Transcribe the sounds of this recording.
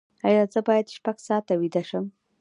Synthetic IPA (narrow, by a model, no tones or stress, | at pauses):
ɑjɑzəbɑjad̪ʃpaɡsɑt̪awid̪aʃəm